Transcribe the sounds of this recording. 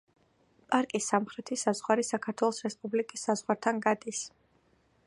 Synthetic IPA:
pʼaɾkʼisːamχɾɛt̪ʰisazʁwaɾisakʰaɾt̪ʰwɛlˠɔsɾɛspʼublikʼisːazʁwaɾt̪ʰanɡad̪is

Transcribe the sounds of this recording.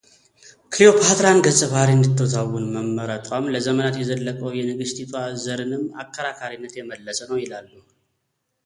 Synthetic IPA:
kʰlio̞pʰat̪ɾanɡəsʼːɨβaɾiɨnd̪ɨt̪ʰːəwɔt̪ʰawːʊnməmːəɾət̪ʼamləzəmənat̪jɛzəlːəkʼəwjɛnɨɡɨst̪ʰit̪ʰazəɾɨnɨmːa̰kʰːəɾakʰaɾinːət̪jɛməlːəsənəwjɪlalːuh

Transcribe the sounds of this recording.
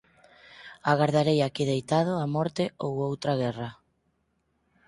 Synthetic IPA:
aɣaɾðaɾejakiðejt̪að̞ʊamɔɾt̪ɪowowt̪ɾaɣɛra

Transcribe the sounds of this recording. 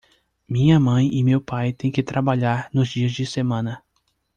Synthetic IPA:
mĩɲɐmɐ̃j̃ɪmewpajt̪ẽj̃kɪt̪ɾabaʎaɾnʊzd͡ʒiɐzd͡ʒɪsemɐ̃nɐ

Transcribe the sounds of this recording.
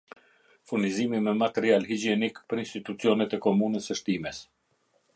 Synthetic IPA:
fuɾnizimimɛmat̪ɛɾialɦid͡ʒiɛnikpəɾinst̪it̪ut͡siɔnɛt̪ɛkɔmunəsɛʃt̪imɛs

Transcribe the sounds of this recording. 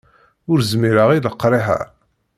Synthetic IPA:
ʊɾzmiɾaʁiləqːɾˤiɦæ̰ɾ

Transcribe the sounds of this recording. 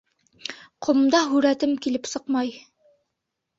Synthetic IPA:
qʰŏmd̪ɑɦʉɾæt̪ɘmkilɘpsɤqmɑj

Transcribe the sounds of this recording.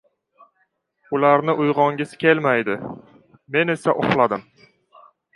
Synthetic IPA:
ʊlaɾnɪʔʊjʁɒŋɡʲɪskʲʰe̞lmajd̪ɪ | me̞ne̞saʔo̰χlˠad̪ɪm

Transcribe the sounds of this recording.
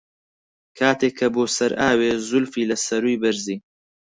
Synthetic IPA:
kʰaːt̪eːkʰːɐboːsɐɾʔaːweːzʊlfiːlɐsɐɾujbɐɾziː

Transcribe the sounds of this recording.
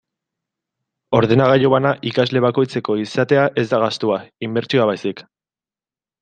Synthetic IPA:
o̞ɾðe̞naɣaʎoβanaʔikazle̞βako̞jt͡se̞ko̞isat̪e̞aʔe̞zd̪aɣ̞ast̪uaimbe̞ɾt͡ʃioaβ̞ajsik

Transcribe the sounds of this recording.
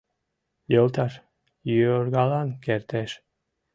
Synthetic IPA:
jəlˠt̪ɑʃ | jyoɾɡɑlɑnkeɾt̪eʃ

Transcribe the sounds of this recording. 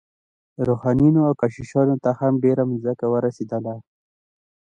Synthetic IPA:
ɾoxɑnjinoawkaʃiʃɑnot̪ahamɖeɾamzakawəɾased̪əla

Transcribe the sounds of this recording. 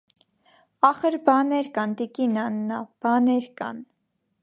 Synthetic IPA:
ɑχəɾbɑnɛɾkɑnd̪ikinɑnːɑb̥ɑnɛɾkɑ̰n

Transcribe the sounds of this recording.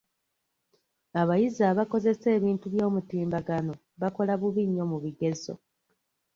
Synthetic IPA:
aβajizaːβako̞ze̞se̞ːβiːntuβjo̞ːmutiːmbaɡano̞ | βako̞laβuβiɲːo̞muβiɡe̞zo̞̰

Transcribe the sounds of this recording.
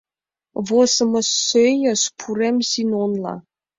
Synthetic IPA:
vosəmɤsːøjəspʰuɾemsinonlɑ̰

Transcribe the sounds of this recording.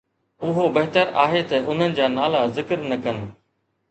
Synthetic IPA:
ʊɦobɐɦt̪əɾaːɦet̪ɐʊn̤ənɪ̆d͡ʑaːnaːlazɪkəɾnɐkɐn̆

